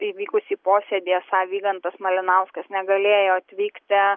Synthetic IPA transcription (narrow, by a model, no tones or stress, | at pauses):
ɪiʋʲiːkʊsʲiːpoːsʲeːd̪ʲijɛsɑːʋʲiːɡɐnt̪ɐsmɐlʲɪnɐʊskɐsnʲɛɡɐlʲeːjoːɐt̪ʲʋʲiːkt̪ʲɪ